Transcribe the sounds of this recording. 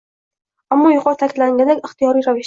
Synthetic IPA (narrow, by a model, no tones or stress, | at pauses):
amːɒjʊqʰɒɾt̪ʰakʲʰɪd̪laŋɡʲand̪akʲɪχt̪ijɒɾijɾavɪʃ